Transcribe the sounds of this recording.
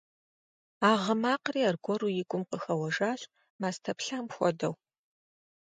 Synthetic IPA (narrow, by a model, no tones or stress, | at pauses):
aːʁəmaːqriːarɡʷɔrujɪɡʷʼʊmqəxɐwɐʐaːɕʼ | maːstʰɐpɬamxʷɔ̰dɐw